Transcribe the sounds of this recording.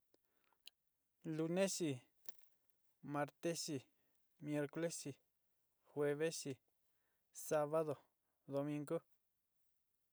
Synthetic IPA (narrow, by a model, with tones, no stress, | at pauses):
lu˧nẽ˦ʃi˧ | mã˧ɾt̪e˦ʂi˧ | mje˧ɾko˦le˦ʂi˨ | xwe˧βe˦ʂi˧ | sa˦βa˦ðo˨ | ðo˧mĩ˧ŋɡo˦